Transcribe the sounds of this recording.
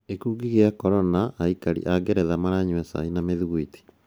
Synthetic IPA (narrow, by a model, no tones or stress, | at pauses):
ekuɡiɣeakɔɾɔnaʔːikaɾḭʔaɡeɾɛðamaɾaɲwɛsa̰inameðuɣuiti̥